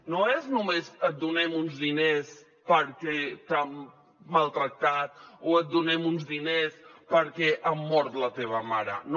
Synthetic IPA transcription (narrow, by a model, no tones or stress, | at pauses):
noeznumezət̪̚d̪unɛmunzðines | pəɾkɛt̪amː | alˠt̪ɾək̚t̪at̪̚oət̪̚d̪unɛmunzðinespəɾkɛʔəmːɔɾt̪lət̪eβ̞əmaɾə̰n